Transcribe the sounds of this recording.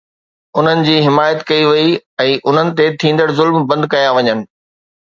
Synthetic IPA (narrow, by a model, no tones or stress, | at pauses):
ʊn̤ənɪ̆d͡ʑiːɦɪmaːjət̪kɐiʋɐiɛ̃ːʔʊn̤ənɪ̆t̪et̪ʰĩːn̆d̪əɽɪzʊlmbɐ̃nd̪kɐjaʋɐɲənɪ̆